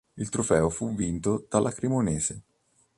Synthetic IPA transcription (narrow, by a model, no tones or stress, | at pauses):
ilt̪ɾofɛːofuvːint̪od̪̥alʔakɾemoneːze